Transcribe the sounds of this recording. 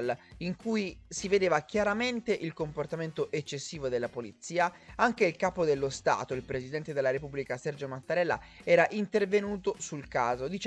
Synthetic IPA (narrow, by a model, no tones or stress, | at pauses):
liŋkujsived̪eːvak̟jaɾament̪eʔilkomport̪ament̪oʔet͡ʃːesːiːvod̪elːapolit̪sːiːaaŋk̟eilkaːpod̪elːost̪a̰ːt̪oilpɾezid̪ɛnt̪ed̪elːaɾepublikasɛrd͡ʒomat̪ːaɾɛlːa̰ɛːɾaʔint̪ervenuːt̪osulkaːzod̪it͡ʃ